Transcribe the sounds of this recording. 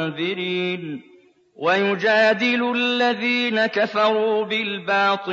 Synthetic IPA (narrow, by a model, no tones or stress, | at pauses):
ðɪɾiːn | wajʊd͡ʒaːd̪ɪlʊalːaðiːnakafɑɾuːbɪlbɑːt̪ˤɨ